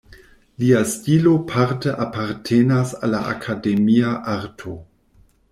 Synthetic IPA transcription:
liastilo̞pʰaɾtəʔapaɾtʰenasalːa̰ʔa̰kʰademiaʔaɾtʰo

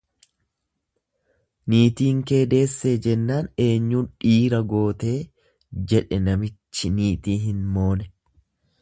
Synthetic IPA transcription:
niːt̪iːŋke̞ːd̪e̞ːsːe̞ːd͡ʒɛnːaːne̞ːɲːuːnᶑiːɾɐɡo̞ːt̪e̞ː | d͡ʒɛᶑɛnɐmɪt͡ʃːɪniːt̪iːɦɪnmo̞ːnɛ

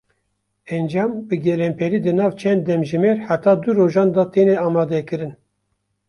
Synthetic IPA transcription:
ɛnd͡ʒɑːmbɨɡɛlɛmpʰɛɾiːd̪ɨnɑːvt͡ʃʰɛnd̪̚ːɛmʒɨmɛɾħat̪ɑːd̪uɾoːʒɑːnd̪ɑt̪eneɑːmɑːd̪ɛkɨɾɨn

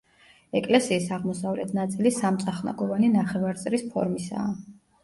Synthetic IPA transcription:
ɛkʼlɛsiːsaʁmɔsavlɛt̪ʰnat̪sʼilisamt̪sʼaχna̰ɡɔvaninaχɛvaɾt̪sʼɾispʰɔ̰ɾmisa̰ː

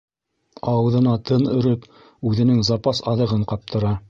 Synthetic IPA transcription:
ɑwɤ̆ðɤ̆nɑt̪ʰɤnɵ̆ɾɵp | ʉðɘ̆nɘŋzɑpɑsɑðɤ̆ʁɤɴqɑp̚t̪ʰɤ̆ɾɑ

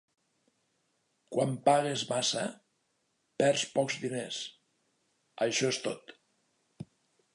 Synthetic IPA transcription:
kwampaɣezmasa̰ | pɛɾspɔkzðines | əʃɔest̪ot̪

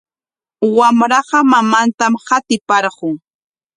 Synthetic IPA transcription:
wamɾɑqɑmamant̪amhat̪ɪpɑɾɢʊŋ

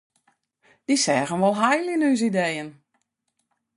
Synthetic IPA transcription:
d̥isɛːɣənʋolˠɦajliənyːs̬idejən

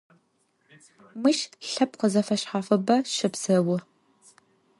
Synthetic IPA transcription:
mɨʃɬɐpqəzɐfɐɕħaːfɐbɐʃɨbz̥ɐwʊ

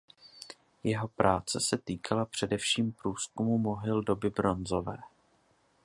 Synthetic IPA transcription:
jɛɦo̞pɾaːt͡sɛsɛt̪iːkʰalapr̝̥ɛdɛfʃiːmpɾuːskumumo̞ɦɪldo̞bɪbɾo̞nzo̞vɛː

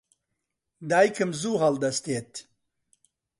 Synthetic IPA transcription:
d̪ajkʰəmzuːɦald̪ɐst̪et̪

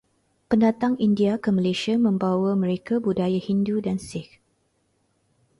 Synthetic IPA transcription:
pəndat̪aŋindiakəməleʃiamə̃mbawamə̃ɾekabudajahindudansɪk

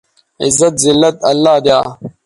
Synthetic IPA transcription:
izːɐt̪zilːɐt̪ɐlːaːd̪jaː

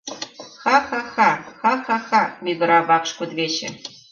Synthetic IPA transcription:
xɑxɑxɑxɑxɑxɑmʲiɡɤ̆ɾɑbɑkʂkud̪βʲet͡ɕɘ̰̆

